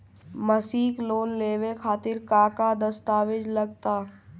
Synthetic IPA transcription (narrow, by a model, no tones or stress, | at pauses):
mɐsiːkloːnleːʋekʰaːt̪ɪɾkaːkad̪ɐst̪aːʋɪd͡ʒlɐɡ̚t̪aː